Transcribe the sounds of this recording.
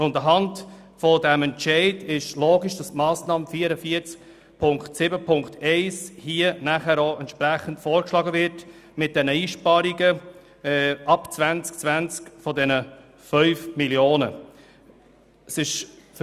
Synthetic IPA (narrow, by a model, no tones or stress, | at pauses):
ʊndəɦɑnt | fɔdɛmɛnt͡ʃɛɪdɪʃloːɡiʃd̥ɑstmɑːsnɑːmfiːəɾəfiəɾt͡sk | pʰʊŋktsɪbəpʰʊŋktʰɛɪshiənæχæːɾoɛntʃpɾæχən̩tfoːɾkʃlɑːɡəvɪɾt | mɪt̚d̥ɛnəiːʃpɑːɾiɡə | ɑpt͡svænt͡sk̚t͡sʋænt͡skfɔdɛnə | fœʏfmiljoːnə | sɪʃf